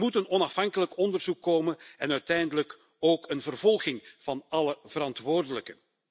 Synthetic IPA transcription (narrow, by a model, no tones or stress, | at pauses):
mutənɔnɑfɦɑŋkələkɔndərzukːoːmənɛnœɥtɛjndələk | oːkənvərvɔlˠɣɪŋv̥ɑnɑləv̥əɾɑntʋoːrdələkən